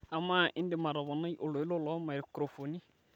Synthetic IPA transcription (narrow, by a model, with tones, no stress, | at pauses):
a˨ma˦ʔɪ˦ndɪ˨ma˨ɾɔ˨βɔ˨na˦jʔʊ˨lʊ˨ɪ˦lo˦lɔ˦ma˨ɾkɾo˨fo˨ni˦